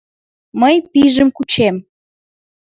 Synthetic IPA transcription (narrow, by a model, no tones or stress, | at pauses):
məjpiʒəmkut͡ɕem